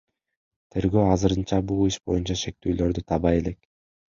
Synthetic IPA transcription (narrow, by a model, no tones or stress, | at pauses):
t̪ʰe̞ɾɡøːɑzɯɾɯnt͡ʃɑbulˠiʃbo̞junt͡ʃɑʃe̞k̚t̪yːlø̞ɾd̪yt̪ʰɑβɑje̞le̞k